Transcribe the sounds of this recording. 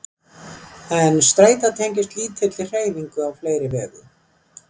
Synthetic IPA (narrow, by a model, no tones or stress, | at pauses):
ɛnst̪ɾaːjt̪at̪ʰejɲcɪst̪liːt̪ʰːɪt̪lɪ̥r̥eːjviŋkʏavfleːjɾɪvɛːðɪ